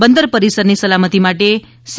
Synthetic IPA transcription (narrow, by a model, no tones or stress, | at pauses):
bənd̪əɾpəɾisəɾnisəlamət̪imaʈe | s